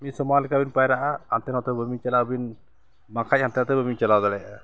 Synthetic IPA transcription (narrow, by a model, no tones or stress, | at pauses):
misɔmalikabinpajɾaʔaant̪ɛnɔt̪ɛbəmit͡ʃɛlawbin | makʰac̚hant̪ɛnɔt̪ɛbəmit͡ʃɛlawd̪alɛ